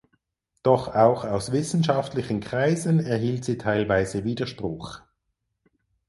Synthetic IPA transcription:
d̥ɔχaʊxaʊsv̥ɪsn̩ʃaftlɪçən̩kʁ̥aɪzənɛɐɦiːltz̥iːtʰaɪlvaɪzəviːdɐʃpʁ̥ʊχ

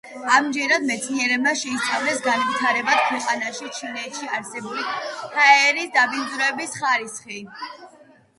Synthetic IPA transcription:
amd͡ʒɛɾad̪mɛt̪sʰniɛɾɛbmaʃɛisʰavlɛsɡanvit̪ʰaɾɛbad̪̥̚kʰwɛqʼanaʃit͡ʃʰinɛt̪ʃiaɾsɛbulihʰaɛɛɛɾisd̪abind̪zɾɔɛbisχaɾisχi

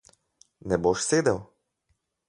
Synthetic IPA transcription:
nɛboʃseːd̪ɛw

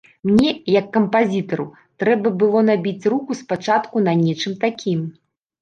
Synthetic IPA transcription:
mnʲɛjɐkːɐmpazʲit̪ɐɾṵ | t̪ɾɛbɐbɨlˠɔnabʲit͡sʲrukuspat͡ʂat̪kunanʲɛt͡ʂɨmt̪akʲim

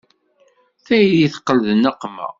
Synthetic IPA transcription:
θæjðiθqːəlðənəqːmə̰ʁ

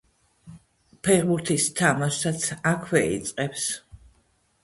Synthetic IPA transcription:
pʰɛʁbuɾt̪ʰist̪ʰamaʃat̪sʰakʰwɛḭt̪sʼqʼɛps

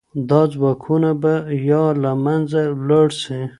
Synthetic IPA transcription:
d̪ɑzwɑkʰunabajɑlamanzalaɽsi

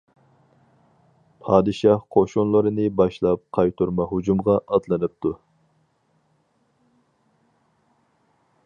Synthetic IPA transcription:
pʰɑːd̪ɨʃɑhqʰoʃunlˠɨɾɨnɨbɑʃlˠɑp̚qʰɑjt̪ʰuɾmɑɦud͡ʒumʁɑʔɑd̪lˠɨnɨp̚t̪ʰu

